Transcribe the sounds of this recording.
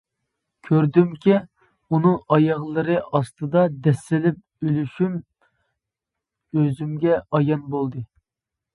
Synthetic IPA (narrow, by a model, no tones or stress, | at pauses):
kʲʰøɾd̪ymkʲi | unɨŋʔɑjɑʁlˠɨɾɨʔɑst̪ɨd̪ɑd̪ɛsːɪlɪp̚ | ylyʃym | øzymɡʲɛɑjɑnbolˠd̪ɨ